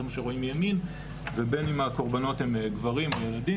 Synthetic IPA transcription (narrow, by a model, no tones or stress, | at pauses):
maʃeʁo̞imjamin | vebe̞nimako̞ʁbano̞themɡvaʁimajeladi